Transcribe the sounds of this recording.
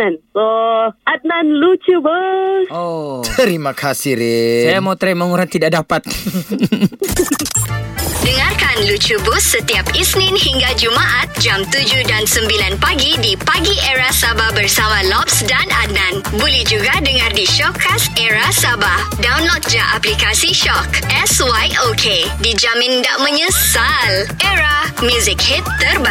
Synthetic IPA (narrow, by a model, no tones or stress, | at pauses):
anoʔat̪̚nãnlut͡ʃubusot̪əɾimãkʰasiɾɪsajamot̪ɾɛmãŋuɾant̪idaʔdapat̪̚ | dəŋarkanlut͡ʃubʊsːət̪iapisnɪnhiŋɡad͡ʒumaʔat̪̚d͡ʒamt̪ud͡ʒudansəmbilanpaɡidipaɡiʔɛɾasabahbərsamãlɔpsdana̰nãnbulɛhd͡ʒuɡadəŋãrdiʃɔkʰːasɛɾasaba | dawnlɔt̪̚d͡ʒaʔaplikasiʃɔkʔɛswajokʰedid͡ʒamɪ̃ndaʔmə̃ɲə̃salʔɛɾamjuzɪk̚hit̪ːərba